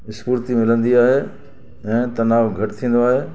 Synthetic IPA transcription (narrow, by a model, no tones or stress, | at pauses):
ɪspuɾt̪imɪlə̃nd̪iaːɦeː | ɛ̃ːt̪ɐnaːʋɡʱɐʈɪt̪ʰĩːnd̪oaːɦeː